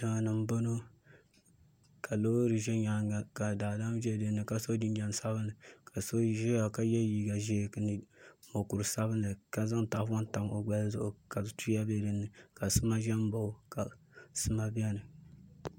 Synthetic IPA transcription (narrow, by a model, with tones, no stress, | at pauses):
dɨ˨ŋa˨nɨ˨m˦bo˦no˦ | kʰa˨lo˦ɾɨ˨ʒɛ˦ɲa˨ŋɡa˨ka˨daː˨da˦m˦ʒɛ˦˨dɨ˦nːɨ˨ka˨so˦di˦nd͡ʒɛ˨n˨sa˦bɨ˦nːɨ˨ka˨so˦ʒɛ˦a˨ka˨jɛ˦jiː˨ɡa˨ʒe˦˨knɨ˨mo˨ku˨ɾsa˦bɨ˦nːɨ˨ka˨za˦ŋ˦ta˨ʔfɔ˦n˦ta˨mo˨ɡ͡ba˦lzʊ˨ʔʊ˨ka˨tu˦ja˦bɛ˦dɨ˦nːɨ˨ka˨sɨ˦ma˦ʒɛ˦m˦bo˨˦ka˨ | sɨ˦ma˦bɛ˦nɨ˨